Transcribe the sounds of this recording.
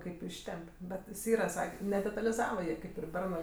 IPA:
ˈkɐɪp ˈɪʃʲtʲɛmʲpʲ ˈbʲɛt jɪs ˈiːrɐ ˈsɑːkʲeː nʲɛdʲɛtɐlʲɪzɐʋɐ ˈjiɛ ˈkɐɪp ɪr ˈbʲɛrnɜ

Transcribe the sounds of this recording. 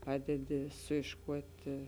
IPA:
ˈpɑːdʲɛdʲɪ sʊiːʃˈkuɔtʲɪ

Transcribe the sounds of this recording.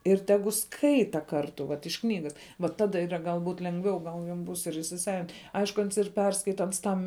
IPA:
ɪr ˈtʲæːɡʊ ˈskɐɪtɐ ˈkɐrtʊ ʋɐt ɪʃ ˈknʲiːɡɐs ʋɐ ˈtɑːdɐ ˈiːrɐ ɡɐlˠˈbuːt lʲɛŋˈɡʋʲɛʊ ˈɡɐlˠ jɛm ˈbuːs ɪr iːsʲɪˈsɑːʋʲɪnʲtʲ ˈɐɪʃkʊ ˈɐns ɪr ˈpʲɛrskɐɪtɐ ˈɐns ˈtɐm

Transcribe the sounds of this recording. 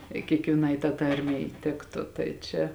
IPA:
ɪ kʲiɛkʋʲiɛˈnɐɪ tɑː ˈtɐrʲmʲɛɪ ˈtʲɪktʊ ˈtɐɪ t͡ʃʲɛ

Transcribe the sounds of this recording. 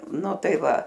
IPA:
ˈnʊ ˈtɐɪ ˈʋɐ

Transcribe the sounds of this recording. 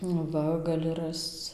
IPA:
nʊ ˈʋɐ ɡɐˈlʲɪ ˈrɐst͡s

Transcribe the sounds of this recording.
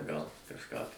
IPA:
ɡɐlˠ kɐʃˈkɑː tɐɪ

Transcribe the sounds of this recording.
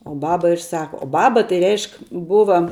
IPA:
oː ˈbɑːbɐ ɪr ˈsɑːkɐ oː ˈbɑːbɐ tɐɪ ˈrʲɛɪʃk ˈbʊʋɐ

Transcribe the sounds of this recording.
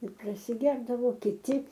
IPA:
ɪr prɐsʲɪˈɡʲɛrdɐʋoː kʲɪˈtʲɪ

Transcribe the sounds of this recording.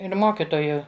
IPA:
ɪr ˈmoːkʲɪtoːjʊ

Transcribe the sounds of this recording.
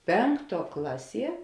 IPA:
ˈpʲɛŋkˌtuɔ ˈklˠɑːˌsʲiɛ

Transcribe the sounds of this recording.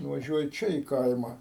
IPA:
nʊʋɐˈʒʲuɔjɪ ˈt͡ʃʲɛ iː ˈkɐɪmɐ

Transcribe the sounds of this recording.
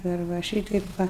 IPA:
dɐr ˈʋɐ ˈʃʲiːtɐɪp ˈʋɐ

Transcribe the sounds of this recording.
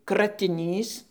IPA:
krɐtʲɪˈnʲiːs

